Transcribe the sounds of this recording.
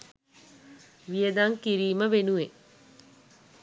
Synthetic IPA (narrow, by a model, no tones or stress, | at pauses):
ʋijəd̪aŋkiɾiːməʋenuʋe